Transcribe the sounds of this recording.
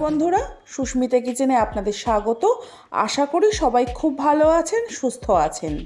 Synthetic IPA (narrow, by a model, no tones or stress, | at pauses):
bond̪ʱuɾaʃuʃmit̪ek̬id͡ʑeneapnad̪eɾʃaɡot̪o | a̰ʃakoɽiʃɔbajkʰubːʱaloat͡ɕʰenʃust̪ʰoat͡ɕʰen